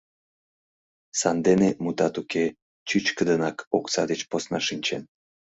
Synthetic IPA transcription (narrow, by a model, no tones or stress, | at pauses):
sɑnd̪enemut̪ɑt̪uke | t͡ɕyt͡ɕkəd̪ənɑkoksɑd̪et͡ɕposnɑʃinʲt͡ɕen